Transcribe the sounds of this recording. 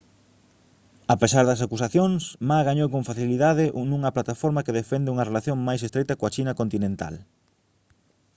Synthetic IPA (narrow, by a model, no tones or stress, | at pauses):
apesaɾðɐsakus̬aθjoŋsmaɣaɲowkõɱfaθiliðaðɪʔnũŋɐplat̪afɔɾmɐkeðefɛnd̪ɪuŋɐrelaθjoŋmajsest̪ɾejt̪ɐkoɐt͡ʃinɐkont̪inẽnt̪a̰l